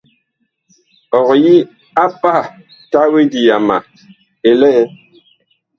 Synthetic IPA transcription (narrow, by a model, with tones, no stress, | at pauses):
ɔ˨ɣji˦ | a˦pa˦˨ | ta˦we˦di˨ja˨ma˨ | e˨lɛ˦